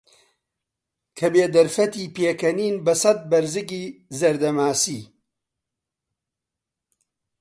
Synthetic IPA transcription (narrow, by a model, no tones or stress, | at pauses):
kʰɐbeːd̪ɐɾfɐt̪iːpeːkɐniːnbɐsɐt̪̚bɐɾzɨɡiːzɐɾd̪ɐmaːsiː